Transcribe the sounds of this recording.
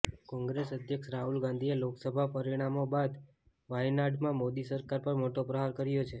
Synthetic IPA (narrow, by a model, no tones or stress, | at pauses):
kɔ̃ŋɡɾesəd̪ʱjəkʃɾaɦulɡãnd̪ʱieloksəbʱapəɾiɽ̃amobad̪ | ʋajnaɖmãmod̪isəɾkaɾpəɾmoʈopɾəɦaɾkəɾjot͡ʃʰe